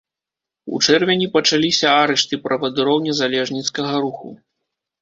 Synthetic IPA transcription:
ṵt͡ʂɛrvʲɛnʲipɐt͡ʂalʲisʲɐaɾɛʂt̪ɨpɾɐvɐd̪ɨɾɔwnʲɛzalʲɛʐnʲit̪skɐɣɐɾuxṵ

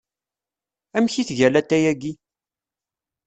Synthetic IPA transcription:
æmçiθʝælæt̪ːæjæɡi

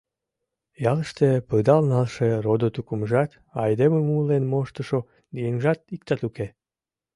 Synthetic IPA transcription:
jɑləʃt̪epəd̪ɑlnɑlʃerod̪ot̪ukumʒɑt̪ | ɑjd̪ememulenmoʃt̪əʃo | d̪ijeŋʒɑt̪̚ikt̪ɑt̪uke

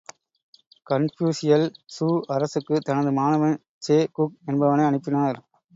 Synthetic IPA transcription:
kɐnfjuːsɪjɐlsuːʔɐɾɐsɯkːɯt̪ɐnɐðɯmaːnɐʋɐn | t͡ʃeːkʊk̚ɛnbɐʋɐnɐɪɐɳɯpːɪnaːɾ

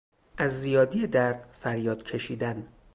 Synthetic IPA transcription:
ʔæzːijɒːd̪ijed̪æɾd̪̥fæɾjɒːd̪̥cʰe̞ʃiːd̪æn

